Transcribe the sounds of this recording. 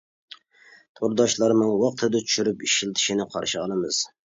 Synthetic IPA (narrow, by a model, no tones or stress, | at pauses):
t̪ʰoɾd̪ɑʃlˠɑɾmɨŋwɑq̚t̪ʰɨd̪ɑt͡ʃʰy̥ʃyɾypiʃilˠt̪ʰɪ̥ʃinɪqʰɑ̰ɾʃɪɑlˠɨmɨz̥